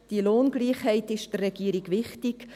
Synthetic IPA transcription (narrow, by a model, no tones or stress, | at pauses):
d̥iəloːnɡliːχhɛɪtɪʃd̥ərːɛɡ̥iːɾiɡʋɪχtɪk